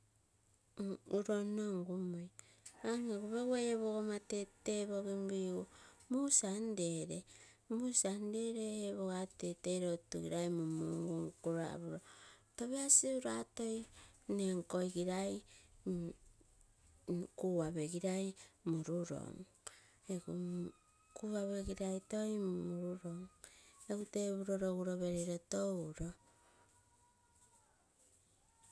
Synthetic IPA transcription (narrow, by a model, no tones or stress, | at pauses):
uɾonoŋɡumoj | aŋeɡuβeɡuejeβoɣomateteβoɡimbiomusandeɾemusandeɾeeβoɣateteɾotuɡiɾajmumuŋɡuŋkuɾa̰βuɾotoβeaseuɾato̞jneŋko̞jɡiɾaj | kuβaβe̞ɡiɾajmuɾuɾo̰ŋ | eɡu | kuβaβe̞ɡiɾajto̞jmuɾuɾo̞ŋeɡuteβuɾoɾoɡuɾo̞βe̞ɾeɾotowɾo